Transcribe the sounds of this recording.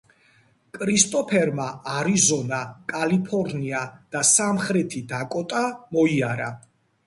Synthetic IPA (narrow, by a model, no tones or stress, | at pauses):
kʼɾist̪ʼɔpʰɛɾmaʔaɾizɔnakʼalipʰɔɾniad̪̥asamχɾɛt̪ʰid̪akʼɔt̪ʼamɔiaɾa